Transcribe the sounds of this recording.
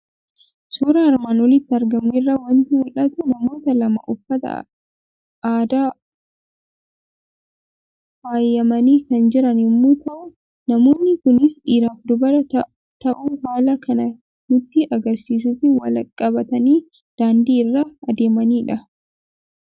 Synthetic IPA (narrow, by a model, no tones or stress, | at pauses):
suːɾɐɐɾmaːnwɔlɪt̪ːɪɐɾɡɐmʊɪrːawɐnt̪ɪwɔlɐt̪ʊnɐmo̞ːt̪ɐlɐmɐ̰ʔɔfːɐt̪ɐ̰ | aːd̪aː | faːjːɐmɐniːkɐnd͡ʒɪɾɐnɪmːoːt̪ɐʔʊ | nɐmo̞ːnːɪkʊnɪsiːɾaːfd̪ʊbɐɾɐ | t̪ɐʔuːɦaːlɐkɐnɐ | nʊt̪ːiʔɐɡɐɾsiːs̬uːfɪwɐlɐkʼːɐbɐt̪ɐniː | d̪̥aːnd̪iːɪrːaːɐd̪eːmɐniːᶑɐ